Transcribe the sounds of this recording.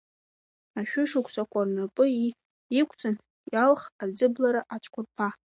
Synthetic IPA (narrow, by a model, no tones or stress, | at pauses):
aʃᶣʊʂɨkʷʼsakʷʰʼarnapʼɨi | ikʷʰt͡sʼɨn | jalχad͡zɨblaɾaʔat͡ʃʷʰʼkʷʊrpʰa